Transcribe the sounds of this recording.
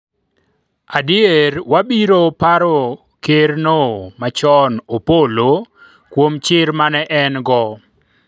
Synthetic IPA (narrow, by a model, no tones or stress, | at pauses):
adɪeɾwabiɾopaɾo | kernomat͡ʃɔnopolo | kwomt͡ʃɪɾmanɛʔɛnɡɔ